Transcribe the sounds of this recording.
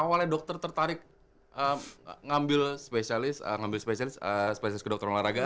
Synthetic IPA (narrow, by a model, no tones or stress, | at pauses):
awaladɔk̚t̪ɔrt̪ərt̪aɾɪk̚ | ʔəmŋambɪlspesialɪsə̰ŋambɪlspesialɪsəsə̥pesialɪskədɔk̚t̪ɔrlaɾaɡa